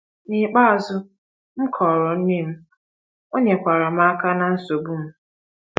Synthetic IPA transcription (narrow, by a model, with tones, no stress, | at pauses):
ni˨k͡pa˦a˨zʊ˦ | m̩˦kʰɔː˨ɾɔ˨n̩˦ni˦m̩˦ | o˦ɲe˨kʷa˨ɾa˨m̩˦a˦ka˦na˨n̩˦so˨bu˦m̩˦